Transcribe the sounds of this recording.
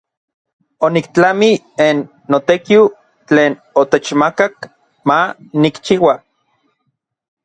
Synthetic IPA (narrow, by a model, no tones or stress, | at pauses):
onikt͡ɬami | enː | ot̪ekiw | t͡ɬeːnot̪et͡ʃmakak | manikt͡ʃiwa